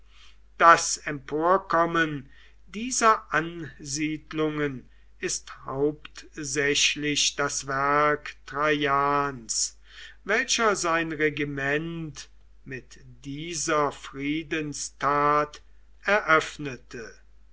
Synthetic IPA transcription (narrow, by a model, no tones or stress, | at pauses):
d̥asɛmpʰoːɐkɔmən | diːzɐʔanziːdlʊŋən | ɪsthaʊptzɛɕlɪɕd̥asvɛɐktʁajaːns | vɛlʃɐzaɪnʁɛɡimɛnt | mɪtd̥iːzɐfʁiːdənstʰaːt | ɛɐʔœfnətʰə